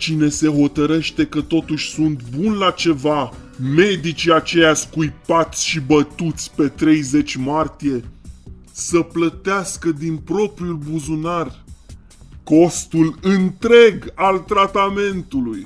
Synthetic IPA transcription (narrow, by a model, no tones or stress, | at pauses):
t͡ʃine̞se̞ɦo̞t̪əɾe̞ʃt̪e̞kət̪o̞t̪uʃʲsunt̪bunlat͡ʃe̞va | me̞d̪it͡ʃiat͡ʃe̞jaskujpat̪sʲʃibət̪ut̪sʲpe̞t̪ɾe̞jze̞t͡ʃʲmart̪ije̞ | səplət̪easkəd̪inpɾo̞pɾiulbuzunar | ko̞st̪ulɨnt̪ɾe̞ɡalt̪ɾat̪ame̞nt̪uluj